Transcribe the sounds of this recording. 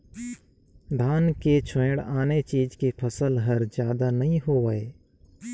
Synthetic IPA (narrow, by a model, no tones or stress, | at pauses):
d̪ʱaːnket͡ʃʰẽːɽaːnet͡ʃiːd͡ʒkepʰəsəlɦəɾd͡ʒjaːd̪anəɦĩɦoːʋəeː